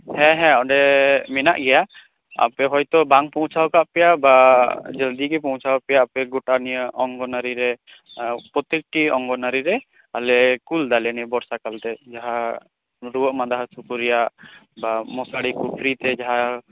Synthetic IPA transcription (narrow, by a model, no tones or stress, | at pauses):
hɛ̃ɦɛ̃ɔɖɛmɛna̰ʔɡɛja | a̰pɛɦɔjt̪ɔbaŋpɔ̃w̃t͡ʃʰawkaʔpɛjabad͡ʒəld̪iɡɛpɔw̃t͡ʃʰawpɛjaːpɛɡɔʈanijəʔɔŋɡɔnaɾiɾɛ | pɾɔt̪ek̚ʈiɔŋɡɔnaɾiɾɛ | alɛkuld̪alɛnijəbɔɾsakalt̪ɛd͡ʒaɦa | ɾuwəʔmad̪aɦsukuɾijaʔbamɔsaɽikupʰɾit̪ɛd͡ʒaɦa